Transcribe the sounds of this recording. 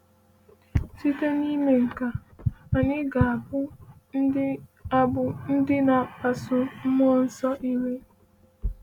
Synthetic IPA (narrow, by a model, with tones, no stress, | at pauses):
si˦te˦ni˦me˨ŋ̩˨ka˨a˨ɲɪ˦ɡa˨a˨bʊ˦ | a˨bʊ˨n̩˦dɪ˦na˨a˨sʊ˨m̩˦mɔ˦n̩˦sɔ˦ʔi˦me˦